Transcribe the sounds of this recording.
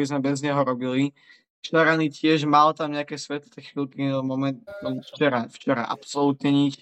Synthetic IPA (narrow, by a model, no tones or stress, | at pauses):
bizmɛbɛzɲɛɦɔɾɔbili | t͡ʃaɾanicɪɛʒmalt̪amɲɛakɛːsʋɛt̪lɔt̪ɛxʋilkimɔmɛnt̪ɔmft͡ʃɛɾaft͡ʃɛɾa̰ʔa̰psɔlut̪ɲɛɲit͡ʃ